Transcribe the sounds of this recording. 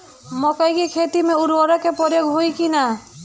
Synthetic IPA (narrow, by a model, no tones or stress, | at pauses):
mɔkɔjkikʰet̪imeuɾwɔɾekepɔɾeɡʱɦojkina